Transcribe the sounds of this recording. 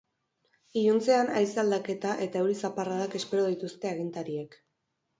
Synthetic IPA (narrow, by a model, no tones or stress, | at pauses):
ijunt͡se̞anajsald̪ake̞t̪aʔe̞t̪auɾisaparaðake̞spe̞ɾo̞ðit̪ust̪e̞aɣint̪aɾiek